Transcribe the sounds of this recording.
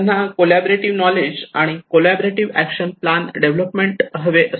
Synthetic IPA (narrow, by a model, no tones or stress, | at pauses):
nakolæboɾeʈiʋnɔled͡ʑaɽ̃ikolæboɾeʈiʋækɕənplanɖeʋləpmeɳʈɦəʋeʔə